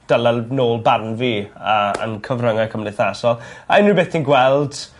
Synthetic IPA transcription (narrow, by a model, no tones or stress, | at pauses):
d̥əlanoːlˠbarnviaə̰nkʰəvrəŋakʰəmnɪθasɔlˠaɪnːibeːθʰinɡwɛlˠd̥